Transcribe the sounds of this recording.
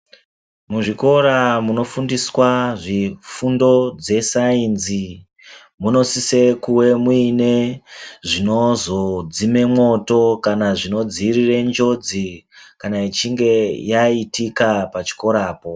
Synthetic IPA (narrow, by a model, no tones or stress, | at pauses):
muʐiko̞ɾamuno̞fundiswaʐifundo̞d͡ze̞sainzi | muno̞sisekuwe̞muine̞ʐino̞zo̞d͡zime̞mŋo̞to̞kanaʐino̞d͡zirirend͡ʒo̞d͡zikanait͡ʃiŋɡe̞jaitikapat͡ʃi̥ko̞ɾaːpo̞